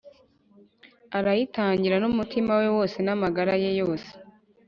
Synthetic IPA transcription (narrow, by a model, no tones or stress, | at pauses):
aɾajitaːɲɟiɾanumutʰimawe̞wo̞ːse̞namaɡaɾaje̞jo̞ːse̥